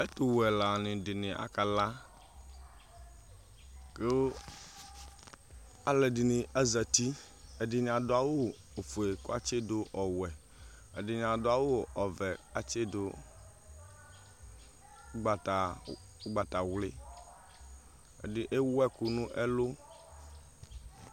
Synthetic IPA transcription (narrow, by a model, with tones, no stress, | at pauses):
e˦t̪o˨wɛ˨la˨nɪ̃˨dɪ˨nɪ̃˨ʔa̰˨ka˨la˦ | ke˦o˦ | a˦le˨di˨nĩ˨ʔa˦zɛ˨t̪i˦ | e˨dɪ˨ɲ˨ã˨do˦a˨wo˦ | o˨fu˨e˨ko˦a˦t͡ʃe˦do˦ʔɔ˨wɛ˨ | e˨di˨ɲã˨do˦a˨wo˦ʔɔ˨vɛ˨a˨t͡ʃe˦do˦ | ɡ͡ba˨ta˨˦ | ɡ͡ba˨t̪a˨wle˦ | ḛ˨di˨ʔe˦wɛ˦ku˨nũ˦ʔe˦lo˦